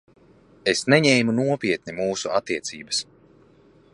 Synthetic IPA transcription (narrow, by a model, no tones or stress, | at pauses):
esnɛɲɛːjmunuɔpʲiɛt̪̚nimuːsuʔat̪ːiɛt̪siːbɐs